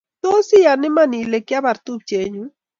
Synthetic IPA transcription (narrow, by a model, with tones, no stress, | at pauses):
t̪o˦si˦ja˨nɪ˦ma˦˨ni˨le˨kja˦ba˨ɾt̪u˦b̚t͡ʃe˨ɲu˦